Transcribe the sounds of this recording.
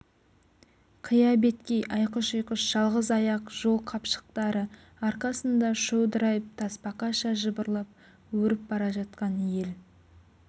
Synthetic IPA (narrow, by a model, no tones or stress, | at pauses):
qʰəjɑbe̞t̪kʲejʔɑjqəʃəjqəʃʒ̥ɑlˠʁəzɑjɑqʒ̥o̞lˠqʰɑpʃə̥q̚t̪ɑɾə | ɑɾqɑsənd̪ɑʃowd̪əɾɑjəp̚t̪ʰɑspɑqɑʃɑʒəbəɾlˠɑp̚ | wɵɾɪp̚bɑɾɑʒɑt̪̚qɑnje̞l